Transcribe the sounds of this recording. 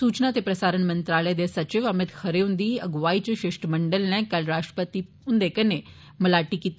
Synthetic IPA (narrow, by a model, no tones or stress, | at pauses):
suːt͡ʃnat̪epɾəsaːɾənmɐ̃nt̪ɾaːləed̪esɐt͡ʃɪʋəmɪt̪xʰəɾeũnd̪iːɐɡʋaːit͡ʃʃɪʃʈmɐɳɖəlnɛ̃kɐlɾaːʃʈɾə̥pət̪i | ʊnd̪ekəne | məlaːʈikiːt̪